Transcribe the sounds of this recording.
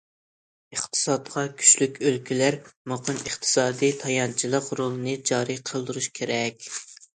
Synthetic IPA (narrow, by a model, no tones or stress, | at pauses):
əχt̪ʰɨ̥sɑt̪̚qʰɑkʲʰy̥ʃlykʲʰølkʲilæɾmoqʰənəχt̪ʰɨ̥sɑːd̪ijt̪ʰɑjɑnt͡ʃʰilˠəqɾolˠɨnɨd͡ʒɑːɾɨqʰəlˠd̪uɾuʃkʲʰeɾɛkʲ